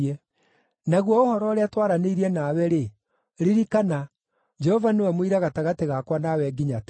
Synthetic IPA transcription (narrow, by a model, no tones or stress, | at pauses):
ɛ | naɣwɔohɔɾɔɾeatwaɾaneiɾiɛnaːwɛɾe | ɾiɾikana | d͡ʒɛhɔvanewɛmwiɾaɣataɣateɣakwanawɛɡiɲat